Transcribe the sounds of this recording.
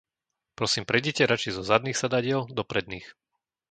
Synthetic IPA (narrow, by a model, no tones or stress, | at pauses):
pɾɔsiːmpɾɛɟicɛɾat͡ʃizɔzad̪niːxsad̪aɟɪɛld̪ɔpɾɛd̪̚niːx